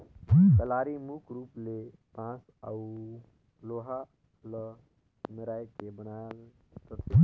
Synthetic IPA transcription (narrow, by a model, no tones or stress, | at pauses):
kəlaɾimukɾuplepãt͡ʃ | a̰u | loɦa | lə | meɾajkebənalt̪ət̪ʰe